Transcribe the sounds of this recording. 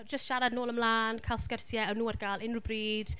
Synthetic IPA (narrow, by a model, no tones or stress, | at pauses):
d͡ʒəstʃaɾadnoːlˠəmlˠaːnkʰalˠskərsjɛəwnuːarɡaːlˠɪnrubriːd̥